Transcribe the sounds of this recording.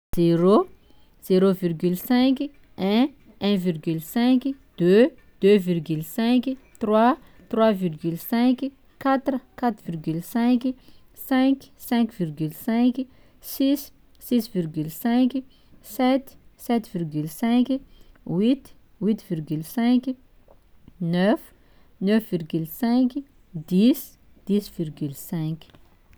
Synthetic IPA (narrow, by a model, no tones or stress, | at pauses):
z̥eɾo | z̥eɾovirɡylsɛ̃k | ɛ̃ | ɛ̃virɡylsɛ̃kd̪̥ø | d̪̥øvirɡylsɛ̃kt̪rwa | t̪rwavirɡylsɛ̃k | kat̪ɾəkat̪ɾvirɡylsɛ̃k | sɛ̃ksɛ̃kvirɡylsɛ̃k | sisː | isvirɡylsɛ̃k | sɛt̪sɛt̪virɡylsɛ̃kwit̪ | wit̪virɡylsɛ̃k | nœf | nœfvirɡylsɛ̃k | d̪is | d̪̥isvirɡylsɛ̃kʲ